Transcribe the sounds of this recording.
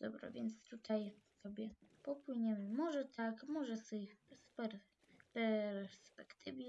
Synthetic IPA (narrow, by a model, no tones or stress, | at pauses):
d̪ɔbɾa̰vʲjɛnt̪st̪ut̪ʰajsɔbʲjɛpɔpwɘɲɛmɘmɔʐɛt̪ʰakmɔʐɛst̪ɪspɛɾ | pɛɾspɛkt̪ʰɘvʲi